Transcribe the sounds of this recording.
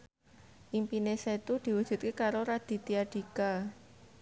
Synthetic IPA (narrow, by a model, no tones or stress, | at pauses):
ʔimpineset̪ud̪̥i̤wud̥ʒ̥ṳt̪̚kekaɾoɾad̪̥i̤t̪iaɖ̥i̤ka